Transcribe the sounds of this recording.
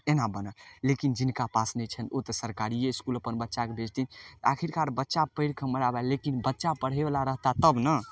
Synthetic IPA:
enabənəllekind͡ʒinkapasnɛt͡ʃʰənot̪əsəɾkaɾieskuləpənbətːʃakebʱed͡ʒt̪init̪əakʰiɾkaɾbətːʃapəɪɽkʰəməɽabɛlekinbətːʃapəɽ̤eblaɾəɦt̪at̪əbnə

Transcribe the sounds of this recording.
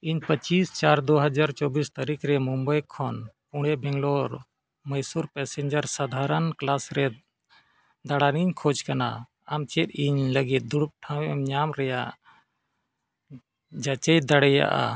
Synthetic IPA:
iɲpət͡ʃist͡ʃaɾd̪ɔɦəd͡ʒaɾt͡ʃɔbist̪aɾikɾɛmumbəjkʰɔnpuɽ̃ɛbʱɛŋɡlɔɾ | məjsuɾpɛsɛɲd͡ʒəɾsad̪ʱaɾənklasɾɛ | d̪aɽaniɲkʰɔd͡ʒkana̰ | amt͡ʃɛt̪̚iɲləɡit̪̚d̪uɽup̚ʈʰãwɛmɲamɾɛjaʔ | d͡ʒat͡ʃɛjd̪aɽɛja̰ʔa̰

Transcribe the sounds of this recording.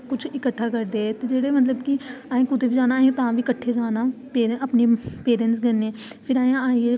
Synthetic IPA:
kʊt͡ʃʰɪkəʈʰːaːkəɾd̪eːɛt̪eːd͡ʒeːɽeːmət̪̬ləbkɪaːẽːkʊd̪eːʋiːd͡ʒaːnãːt̪ãːʋiːkəʈʰːeːd͡ʒaːnãːpeːɾʔəpneːpeːɾensɡəneː | pʰɪɾaːjãaːe

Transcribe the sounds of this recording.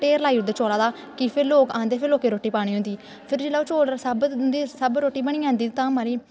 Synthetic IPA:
ʈeːɾlaːiːʊd̪et͡ʃoːlaːd̪aː | kɪpʰɪɾloːkãːnd̪eːpʰɪɾloːkeːɾoːʈːiːpaːɽ̃iːɦʊ̃nd̪iː | pʰɪɾd͡ʒɪlaːt͡ʃoːlsəbd̪iːsəbɾoːʈːiːbəɽ̃iːãːnd̪iːt̪ãːmaːɾiː

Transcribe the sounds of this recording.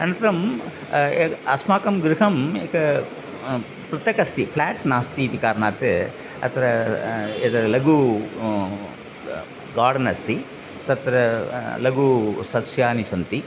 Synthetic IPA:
ɐnɐnt̪ɐɾɐm | eɐsmaːkɐmɡɾiɦɐmeːkɐ | pɾɐt̪jɐkɐst̪ipʰlaːʈnaːst̪iːt̪ikaːɾɐnaːt̪ɨ | ɐ̰t̪ɾɐet̪ɐlɐɡu | ɡaːɖɐnɐst̪i | t̪ɐt̪ɾɐlɐɡusɐsjaːnisɐnt̪i

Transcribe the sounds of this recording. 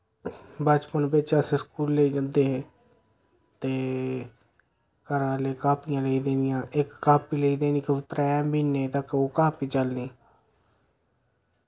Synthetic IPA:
bət͡ʃpənbet͡ʃaːseskuːlːeiːd͡ʒə̃nd̪eːɦɛ̃ː | t̪eː | kəɾaːleːkaːpɪjãːleid̪eːnɪjãːʔekːaːpiːleːiːd̪eːniːkeʊt̪ːɾɛːmbʱiːnẽːt̪əkoːkaːpiːt͡ʃəlniː

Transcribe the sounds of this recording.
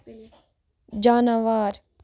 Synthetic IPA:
d͡ʒaːnaʋaːɾ

